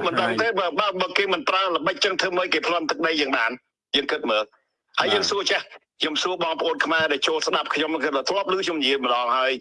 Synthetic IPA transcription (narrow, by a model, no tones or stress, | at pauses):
mɨnɗəŋt̪ʰeːɓaɓaːɓəːkeːmɨnpraələɓəc̚t͡ɕɨŋt̪ʰɨməːjkeːpʰlont̪ɨk̚ɗəjːəːŋɓaːn | jəːŋkɨt̪̚məːl | haəjəːŋsuət͡ɕahkʰɲomsuəɓɑːŋpəʔoːnkʰmaɛɗaɛlt͡ɕoːlsɗap̚kʰɲomkɨt̪̚əːt̪ʰlŏəp̚lɨːkʰɲomnijiəjmə̆ɗɑːŋhaəj